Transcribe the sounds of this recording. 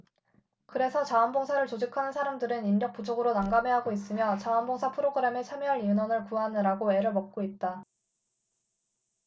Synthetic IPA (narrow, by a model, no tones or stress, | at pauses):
kɯɾe̞sʰʌt͡ɕaʌnboŋsʰaɾɯɭt͡ɕod͡ʑikʰanɯnsʰaɾamdɯɾɯninɾjʌk̚p͈ud͡ʑoɡɯɾonaŋɡame̞ɦaɡois͈ɯmjʌt͡ɕaʌnboŋsʰapʰɯɾoɡɯɾe̞met͡ɕʰamjʌɦaɾinwʌnɯɭkuanɯɾaɡoe̞ɾɯɭmʌk̚k͈oit̚t͈a